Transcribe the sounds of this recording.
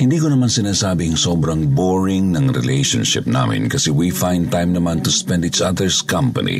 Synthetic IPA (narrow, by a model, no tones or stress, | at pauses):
hɪnd̪iːkonɐmansɪnaːsaːbɪɐŋsoːbɾɐŋboɹɪŋnɐŋɾɛ̰lejʃo̰nʃɪ̰p̚na̰ːmɪ̰nkɐsɛwifãjnd̪̚t̪ãjmnɐmant̪ʊspɛnd̪it͡ʃɐðəɹskɐmpɐ̰nḭ